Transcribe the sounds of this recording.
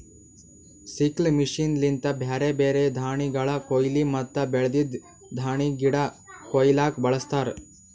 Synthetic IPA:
siklmiʂinlint̪ɐbʱeːɾebeːɾed̪ʱaːɳiɡɐɭɐkojlimɐt̪ːɐbeɭɐd̪id̪ | d̪ʱaːɳiɡiɽɐ | kojlaːk̚bɐɭɐst̪aːɾ

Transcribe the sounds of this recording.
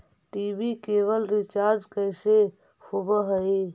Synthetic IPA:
ʈibikeʋəlɾit͡ʃaːɾd͡ʒkəɪse | hobəɦəi

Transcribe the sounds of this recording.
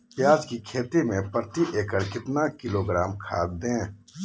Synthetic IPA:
pjaːd͡ʒkikʰeːt̪imẽpɾət̪iʔeːkəɾkɪt̪nakɪloːɡɾaːmkʰa̰ːt̪d̪ẽː

